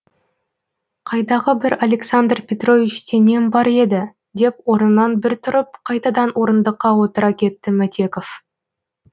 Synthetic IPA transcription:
qʰɑjd̪ɑʁəbɪɾalʲe̞ksand̪rpʲe̞t̪ro̞vit͡ʃse̞ne̞mbɑɾe̞d̪ɪ | d̪e̞pwo̞ɾnənɑnbɪɾt̪ʰʊɾəp̚qʰɑjt̪ɑd̪ɑnwo̞ɾənd̪əqːɑwo̞t̪əɾɑkʲʰe̞t̪ːɪmæt̪ʲe̞ko̞f

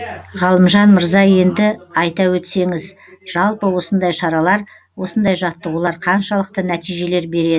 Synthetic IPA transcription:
ʁɑlˠəmʒɑnməɾzɑje̞nd̪ɪɑjt̪ɑwɵt̪se̞ŋɪz | ʒ̥ɑlˠpəwo̞sənd̪ɑjʃɑɾɑlˠɑɾ | wo̞sənd̪ɑjʒɑt̪ːəwolˠɑɾqʰɑnʃɑlˠəq̚t̪ənæt̪ijʒe̞le̞ɾbe̞ɾe̞d̪ɪ

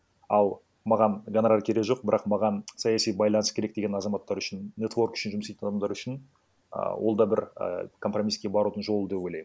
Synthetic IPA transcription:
ɑlˠ | mɑʁɑnɡanɾaɾkʲʰe̞ɾeʒo̞q̚bɪɾʔɑqmɑʁɑnsɑjɑsijbɑjlˠɑnəskʲʰeɾekd̪e̞ɡʲenɑzɑmɑt̪ːɑɾʏʃɪnːe̞t̪vo̞rkʏ̥ʃɪnʒʊmsejt̪nd̪ɑmd̪ɑɾʏʃɪn | ə̰wʔo̞̰lˠd̪ɑbɪɾ̰kʰo̞mpro̞mijskʲe̞bɑɾud̪əɴʒo̞lˠəd̪e̞pwo̞jlej

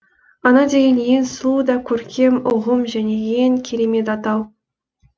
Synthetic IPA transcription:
ɑnɑd̪ʲejenjenslˠud̪ɑkʲʰɵɾkʲe̞mʊʁəmʒæne̞jeŋkʲʰe̞ɾe̞me̞t̪ɑt̪ɑw

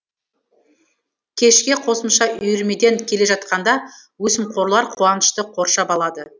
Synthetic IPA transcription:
kʲʰe̞ʃkʲe̞qʰo̞səmʃɑʔʏjɪɾme̞d̪e̞ŋkʲʰe̞le̞ʒɑt̪̚qɑnd̪ɑwɵsɪmqʰo̞ɾlˠɑɾqʰuɑnəʃt̪əqʰo̞ɾʃɑbɑlˠɑd̪ə

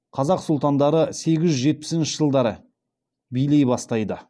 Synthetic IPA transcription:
qʰɑzɑqsʊlˠt̪ɑnd̪ɑɾəse̞ɡʲɪʒʒʒe̞t̪̚pɪ̥sɪnʃɪʒəlˠd̪ɑɾə | bijle̞jbɑst̪ɑjd̪ə

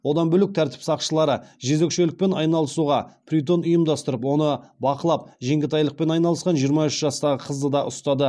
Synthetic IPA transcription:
wo̞d̪ɑnbɵlɪk̚t̪ʰæɾt̪ɪ̥psɑqʃəlˠɑɾəʒe̞ze̞kʃe̞lɪk̚pe̞nɑjnɑlˠəsuʁɑpʰrʲit̪o̞nʊjəmd̪ɑst̪əɾəpwo̞nəbɑqəlˠɑp̚ʒeŋɡʲɪt̪ʰɑjlˠəq̚pe̞nɑjnɑlˠəsqɑnʒijəɾmɑʏʃʒɑst̪ɑʁəqʰəzd̪əd̪ɑʔʊst̪ɑd̪ə

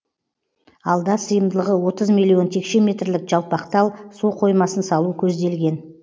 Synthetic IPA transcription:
ɑlˠd̪ɑsəjəmd̪əlˠəʁəwo̞t̪əzmilʲːijo̞nt̪ʰe̞kʃe̞mʲe̞t̪rlɪkʒ̥ɑlˠpɑqt̪ɑlˠsuqʰo̞jmɑsənsɑlˠukʲʰɵzd̪e̞lɡʲe̞n

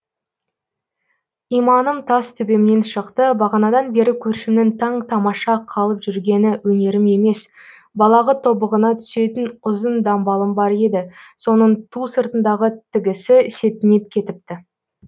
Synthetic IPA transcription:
ijmɑnəmt̪ʰɑst̪ʰʏbe̞mne̞nʃəqt̪əbɑʁɑnɑd̪ɑnbe̞ɾɪkʲʰɵɾʃɪmnɪŋt̪ʰɑɴt̪ʰɑmɑʃɑqʰɑlˠəpʒʏɾɡʲe̞nɪwɵne̞ɾɪme̞me̞s | bɑlˠɑʁət̪ʰo̞bəʁənɑt̪ʰʏ̥se̞t̪ɪnʊzənd̪ɑmbɑlˠəmbɑɾe̞d̪ɪso̞nəɴt̪ʰusəɾt̪ənd̪ɑʁət̪ʰɪɡʲɪsɪɪse̞t̪ɪne̞p̚kʲʰe̞t̪ɪp̚t̪ɪ

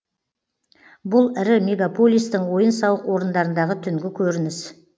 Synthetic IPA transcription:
bʊlˠɪɾɪmʲe̞ɡapo̞lʲijst̪əɴwo̞jənsɑwəqwo̞ɾənd̪ɑɾənd̪ɑʁət̪ʰʏŋɡʲɪkʲʰɵɾɪnɪs

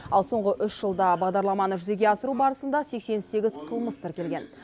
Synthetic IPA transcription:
ɑlˠso̞ɴʁəʔʏsʒ̥əlˠd̪ɑbɑʁd̪ɑɾlˠɑmɑnəʒʏze̞ɡʲe̞ɑsəɾubɑɾəsənd̪ɑse̞kse̞nse̞ɡʲɪzqʰəlˠməst̪ʰɪɾkʲe̞lɡʲe̞n

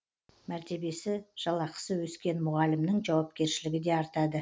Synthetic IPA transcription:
mæɾt̪e̞be̞sɪʒ̥ɑlˠɑqə̥səwɵskʲe̞nmʊʁɑlɪmnɪŋʒɑwɑp̚kʲe̞ɾʃɪlɪɡʲɪd̪e̞ɑɾt̪ɑd̪ə

